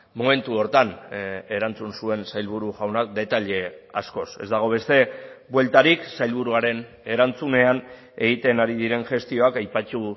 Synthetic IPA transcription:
mo̞me̞nt̪uo̞ɾt̪ane̞ɾant͡sunsue̞nsajlβ̞uɾuʝawnak̚d̪e̞t̪aʎe̞a̰sko̞se̞̰zd̪aɣ̞o̞β̞e̞st̪e̞bwe̞lt̪aɾiksajlβ̞uɾuaɾe̞n | e̞ɾant͡sune̞an | e̞ɣit̪e̞naɾið̞iɾe̞nʝe̞st̪io̞akajpat͡ʃu

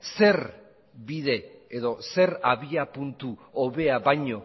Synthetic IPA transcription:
se̞r | bið̞e̞ːðo̞se̞ɾaβiapunt̪uoβeaβajɲo̞

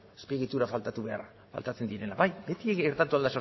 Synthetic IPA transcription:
espeɣit̪uɾafalt̪at̪uβe̞a̰ra | fa̰lt̪at͡se̞nd̪iɾe̞laβajbe̞t̪ieeɾt̪at̪uald̪aso

